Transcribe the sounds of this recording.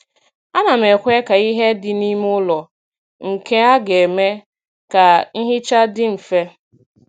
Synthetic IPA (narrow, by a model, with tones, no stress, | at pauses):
a˦na˨m̩e˨kʷe˦ka˨i˦ɦe˦dɪ˦ni˦mʊ˦lɔ˨ | ŋ̩˨ke˦a˦ɡe˨me˦ | ka˨n̩˦ɦɪ˦t͡ʃa˦dɪ˦m̩˨fe˦